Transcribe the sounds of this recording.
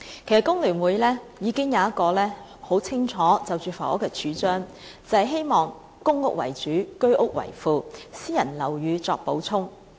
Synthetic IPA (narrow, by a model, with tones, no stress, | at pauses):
kʰe˨˩jsɐ˨t̚kʊ˥ŋlyː˨˩nwuː˨˧jlɛː˥jiː˨˧kɪ˥ŋjɐ˨˧wɐ˥t̚kɔː˧lɛː˥ | ho˨˥wt͡sʰɪ˥ŋt͡ʃʰɔː˨˥t͡sɐ˨wt͡ʃyː˨˩fɐ˨˩o̰˥kːɛ˧t͡ʃʰyː˨˥t͡ʃœː˥ŋ | t͡sɐ˨˧hɐ˨jɦe˥jmɔː˨ŋ | kʊ˥ŋʊ˥k̚wɐ̰˨˩jt͡ʃyː˨˥kɵ˥ɥʔʊ˥k̚wɐ̰˨˩jfuː˨˧siː˥jɐ˨˩nlɐ˨˩wjyː˨˧t͡sɔː˧k̚po˨˥wt͡sʰʊ˥ŋ